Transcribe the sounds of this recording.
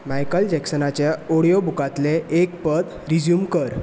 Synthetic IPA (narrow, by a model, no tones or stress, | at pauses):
majkəld͡ʑɛksənat͡ɕjaoɽijobukat̪leek̚pəd̪ | ɾid͡ʑjumkəɾ